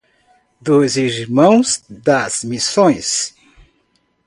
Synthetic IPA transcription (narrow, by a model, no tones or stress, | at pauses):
d̪ʊziɾmɐ̃w̃zd̪ɐz̥misõj̃s